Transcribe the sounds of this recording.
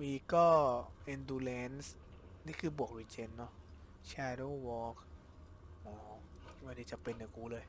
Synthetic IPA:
wiː˧kɔː˥˩ʔi˧nduː˧le˨˦˥ns | niː˥˩kʰɯː˧bu˨˩ək̚ɾiː˧˩t͡ɕe˧nːɔ˦˥ | t͡ɕʰɛː˧doː˥˩wɔː˧˥k̚ | ʔɔː˨˩wa˧˩diː˧˩t͡ɕa˨˩pe˧nːa˨˩kuː˧lɤː˧j

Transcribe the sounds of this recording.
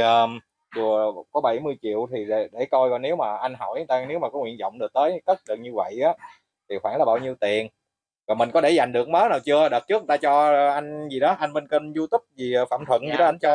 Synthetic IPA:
əː˨˩ | ɗu˨˩əkɔ˨˦ɓa˧˩jmɨ˧əjt͡ɕḭ˧˨əwt̪ʰi˨˩ɗe˧˩ɗe˧˩kɔ˧jkɔ˧˩ne˨˦wmaː˨˩ʔa˧jŋ̟ɦɔ̰˧˩jt̪aː˧ne˨˦wmaː˨˩kɔ˨˦ŋwḭ˧ənzɔ̰˧˨wŋ͡mɗɨ˨˩ək̚t̪əː˨˦jkə˦˥t̚lə˨˩ŋ̚ɲɨ˧və̰˧˨jʔaː˨˦ | t̪ʰi˨˩xwaː˧˩nlaː˨˩ɓaː˧˩wɲi˧əwt̪i˨˩ən | kɔː˨˩mi˨˩ŋ̟kɔ˨˦ɗe˧˩za˨˩jŋ̟ɗɨ˨˩ək̚məː˨˦naː˨˩wt͡ɕɨ˧ə˧ɗəː˨˩t̚t͡ɕɨ˦˥k̚t̪aː˧t͡ɕɔ˧ʔa˧jŋ̟zi˨˩ɗɔ˨˦ʔa˧ŋɓe˧nkə˧nzu˧t̪ʊ˦˥p̚zi˨˩˨fa̰ː˧˨mt̪ʰwə̰˧˨nzi˨˩ɗɔ˨˦ʔa˧nt͡ɕɔ˧

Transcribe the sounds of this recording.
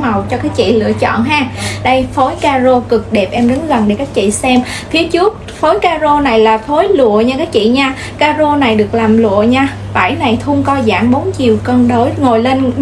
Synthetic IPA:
ma˨˩wt͡ɕɔ˧kaː˨˦jt͡ɕḭ˧˨lɨ̰˧˨ət͡ɕɔ̰˧˨nɦaː˧ɗə˧jfo˨˦jkaː˧zo˧kɨ˨˩k̚ɗe˨˩p̚ʔɛ˧mɗə˨˦nɣə˨˩nɗe˧˩kaː˦˥k̚t͡ɕḭ˧˨sɛ˧m | fi˨˦ət͡ɕɨ˦˥ək̚fo˨˦jkaː˧zo˧na˨˩jlaː˨˩fo˨˦jlṵ˧˨əɲaː˧kaː˦˥k̚t͡ɕḭ˧˨ɲaː˧ | kaː˧zo˧na˨˩jɗɨ˨˩ək̚laː˨˩mlṵ˧˨əɲaː˧ | ɓa̰ː˧˩jna˨˩jt̪ʰu˧əŋkɔ˧za̰ː˧˩ŋɓo˨˦nt͡ɕi˨˩əwkə˧nɗo˨˦jŋo˨˩jle˧n

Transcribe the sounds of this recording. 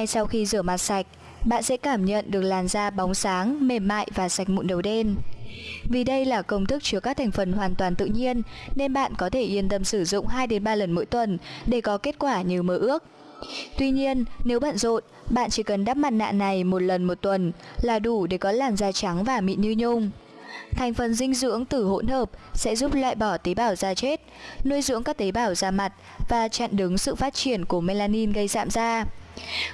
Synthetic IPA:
na˧jsa˧wxi˧zɨ˧˩əma˨˩t̚sa˨˩jk̟̚ | ɓa̰ː˧˨nsɛ̰˧˥kaː˧˩mɲə̰˧˨nɗɨ˨˩ək̚laː˨˩mzaː˧ɓa˨˦wŋ͡msaː˨˦ŋme˨˩mːa̰ː˧˨jvaː˨˩sa˨˩k̚mṵ˧˨nɗə˨˩wɗe˧n | vi˨˩ɗə˧jlaː˨˩kə˧wŋ͡mt̪ʰɨ˦˥k̚t͡ɕəkaː˦˥k̚t̪ʰa˨˩jŋ̟fə˨˩nɦwaː˨˩nt̪waː˨˩nt̪ɨ̰˧˨ɲi˧ənːe˧nɓa̰ː˧˨nkɔ˨˦t̪ʰe˧˩ʔi˧ənt̪ə˧˩msɨ˧˩zʊ̰˧˨ŋ͡mhaː˧jɗe˨˦nɓaː˧lə˨˩nmo̰˧˥jt̪wə˨˩nɗe˧˩kɔ˨˦ke˦˥t̚kwaː˧˩ɲɨ˧məː˨˦ʔɨ˦˥ək̚ | t̪wi˧ɲi˧ənːe˨˦wɓa̰ː˧˨nzo̰˧˨n | ɓa̰ː˧˨nt͡ɕi˧˩kə˨˩nɗaː˦˥p̚ma˨˧˩t̚na̰ː˧˨na˨˩jmo˨˩t̚lə˨˩nmo˨˩t̚t̪wə˨˩nlaː˨˩ɗu˧˩ɗe˧˩kɔ˨˦laː˨˩mzaː˧t͡ɕa˨˦ŋvaː˨˩mḭ˧˨ɲɨ˧ɲʊ˧ŋ͡m | t̪ʰa˨˩jŋ̟fə˨˩nzï˧ŋ̟zɨ̰˧˥əŋt̪ɨ˧˩ho̰˧˥nhəː˨˩p̚sɛ̰˧˥zu˦˥p̚lwa̰ː˧˨jɓɔ˧˩t̪i˨˦ɓaː˧˩wzaː˧t͡ɕe˦˥t̚no˧jzɨ̰˧˥əŋkaː˦˥k̚t̪i˨˦ɓaː˧˩wzaː˧ma˨˩t̚ | vaː˨˩t͡ɕa̰ː˧˨nɗɨ˨˦ŋsɨ̰˧˨faː˦˥t̚t͡ɕi˧˩ənku˧˩əmɛ˧laː˧ni˧nɣə˧jza̰ː˧˨mzaː˧

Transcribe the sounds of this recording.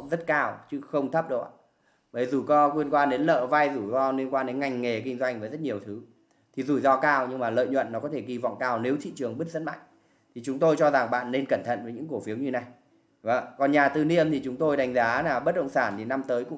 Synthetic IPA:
ŋ͡mzə˦˥t̚kaː˧wt͡ɕɨ˦˥xə˧wŋ͡mt̪ʰə˦˥p̚ɗɨ˨˩k̚ʔa̰ː˧˨ | ɓə˧˩jzu˨˩kɔ˨˦kwi˧ənkwaː˧nɗe˨˦nlə̰ː˧˨va˧jzu˧˩zɔ˧lwi˧ənkwaː˧nɗe˨˦nŋa˧˩jŋ̟ŋe˨˩kï˧ŋ̟zwa˧jŋ̟vəː˨˦jzə˦˥t̚ɲi˨˩əwt̪ʰɨ˨˦ | t̪ʰi˨˩zu˧˩zɔ˧kaː˧wɲɨ˧ŋmaː˨˩lə̰ː˧˨jɲwə̰˧˨nːɔ˨˦kɔ˨˦t̪ʰe˧˩ɣi˧vɔ̰˧˨wŋ͡mkaː˧wne˨˦wt̪ʰḭ˧˨t͡ɕɨ˨˩əŋɓɨ˦˥t̚zə˧˥nma̰˧˨jŋ̟ | t̪ʰi˨˩t͡ɕʊ˨˦ŋ͡mt̪o˧jt͡ɕɔ˧za˨˩ŋɓa̰ː˧˨nːe˧nkə˧˩nt̪ʰə̰˧˨nvə˨˦ɲɨ̰˧˥ŋko˧˩fi˨˦əwɲɨ˧na˨˩j | və̰˧˨˩kɔ˨˩nɲaː˨˩t̪ɨ˨˩ni˧əmt̪ʰi˨˩t͡ɕʊ˨˦ŋ͡mt̪o˧jɗa˨˦jŋ̟zaː˨˦naː˨˩ɓə˦˥t̚ɗə̰˧˨ŋ͡msaː˧˩nt̪ʰi˨˩na˧mt̪əː˨˦jkʊ̰˧˥

